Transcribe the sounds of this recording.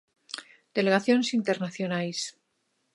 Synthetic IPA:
d̪̥e̞le̞ɣaθjo̞nesint̪eɾnaθjonajs

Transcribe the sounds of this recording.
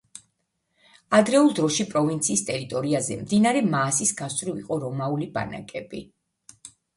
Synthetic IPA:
ad̪ɾɛulˠd̪ɾɔʃipʼɾɔvint̪sʰiːst̪ʼɛɾit̪ʼɔɾiazɛ̰md̪inaɾɛmaːsisɡast̪ʼɾivḭqʼɔɾɔmauliba̰na̰kʼɛbi

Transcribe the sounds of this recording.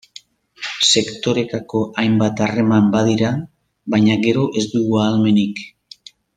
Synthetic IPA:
se̞kt̪o̞ɾe̞t̪ako̞ʔajmbat̪are̞mambaðiɾa | baɲaɣe̞ɾo̞ʔe̞zd̪uɣuaːlme̞nik

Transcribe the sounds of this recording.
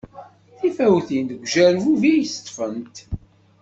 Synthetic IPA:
θifæwθind̪əɡʷʒæɾvuvijsə̥t̪ˤːfənt̪

